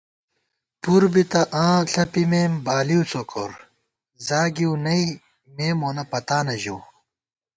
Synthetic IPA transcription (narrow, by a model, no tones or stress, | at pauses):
puɾbit̪ɐʔãːɬɐpimeːmbaːliut͡sokoɾ | zaːɡiwnɐi | meːmoːnɐpɐt̪aːnɐʑuw